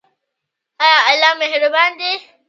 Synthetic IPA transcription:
ajaʔalːameɦɪɽʊbaːnd̪e

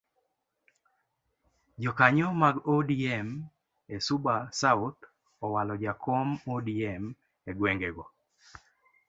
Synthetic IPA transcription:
d͡ʒɔkaɲɔmaɡodiɛm | esubasaʊt̪ | ɔwalɔd͡ʒakʰɔmodiɛm | eɡweŋɡeɡɔ

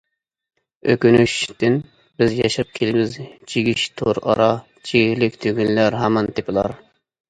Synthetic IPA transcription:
ø̰kʲynyʃd̪ɪn | bɪzjɑʃɑp̚kʲʰelɪbɪzt͡ʃʰiɡʲiʃt̪ʰoɾɑ̰ɾɑ | t͡ʃʰiɡlɪkʲt̪ʰyɡʲynlæɾɦɛmːɑnt̪ʰɪpʰɪlˠɑɾ

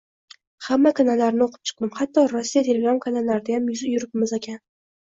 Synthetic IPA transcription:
hamːakʰanalːaɾnɪoqʰɨ̥p̚t͡ʃʰɨ̥q̚d̪ɪmχat̪ːɒɾɒsːijat̪ʰe̞lʲeɡɾamkʰanalːaɾɪd̪ajamjʊzjʊɾɪpmɪzekʲan

